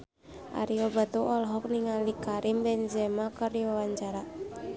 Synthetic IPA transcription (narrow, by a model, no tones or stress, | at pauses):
ʔa̰ɾiobat̪uʔɔlɦɔk̚niŋalikaɾimbɛnd͡ʒɛmakaɾiawaɲt͡ʃaɾa